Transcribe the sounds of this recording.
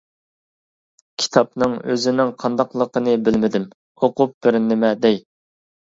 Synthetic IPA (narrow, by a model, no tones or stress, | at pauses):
kʲʰi̥t̪ʰɑp̚nɨŋøzɪnɪŋqʰɑnd̪ɑqlˠəqənɨbɪlmɪd̪ɪm | oqup̚b̥ɪɾnːɪmɛd̪ɛj